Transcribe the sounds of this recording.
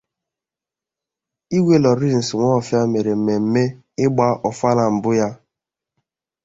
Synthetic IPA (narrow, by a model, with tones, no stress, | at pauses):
i˦wʷe˦lɔ˨ɾi˦n̩˨sɪ˨ŋʷɔ˦˨fja˦me˨ɾe˨m̩˨me˨m̩˨˦me˦ | ɪ˦ɡ͡ba˦ʔɔ˨fa˦la˨m̩˨bʊ˦ja˦